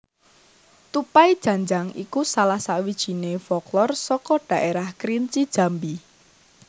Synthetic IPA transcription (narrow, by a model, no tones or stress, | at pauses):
t̪upaid̥ʒ̥ä̤ɲd͡ʒaŋḭkusalahsawid̥ʒ̥i̤nefɔklɔrsɔkɔɖ̥a̤ʔeɾahkɾint͡ʃid̥ʒ̥ä̤mbi